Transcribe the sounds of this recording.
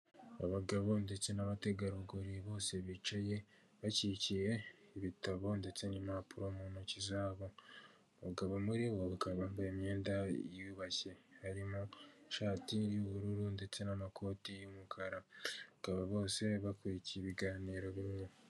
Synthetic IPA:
aβaɡaβo̞nde̞t͡se̞naβateɡaɾuβɡoɾiβo̞ːse̞βit͡ʃaje̞ | βacicije̞iβitaβo̞nde̞t͡se̞nimapuɾo̞muːnocizaːβo | βaɡaβomuɾiβoβakaβaːmbajimɲe̞ːndajiuβacehaɾimoʃaːtiɾjuβuɾuɾunde̞t͡se̞namakʰo̞ːtijumukʰaɾaβakaβaβo̞ːse̞βakwecieβiɡaːniːɾo̞βiɲɲu

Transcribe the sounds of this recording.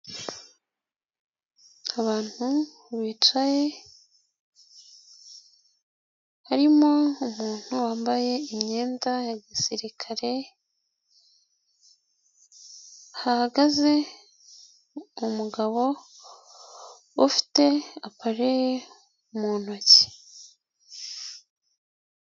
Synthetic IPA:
aβaːn̥hu | βiːt͡ʃaje̞ | haɾimo̞umuːn̥huwaːmbaje̞imɲe̞ːndajaɟisiɾikʰaɾe̞ | ahahaɡaze̞ | umuɡaβo̞ | ufi̥te̞apaɾeje | umuːnoce̥

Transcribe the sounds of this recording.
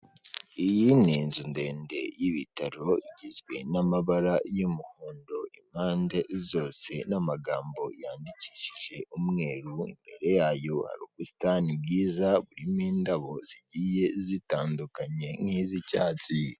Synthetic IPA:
ijininzunde̞ːnde̞jiβitaɾo̞iɟizɡwe̞̰namaβaɾajumuhoːndo̞im̥haːnde̞ʔizo̞ːse̞namaɡaːmbo̞jaːndici̥ːʃiʒe̞umŋe̞ːɾuḭmbe̞̰ɾe̞jaːjo̞ha̰ɾukusi̥tanib̚ɡiːzaβuɾimiːndaβo̞ziɟiːje̞zitaːndukaɲe̞ŋ̥hiːzicaːt͡si

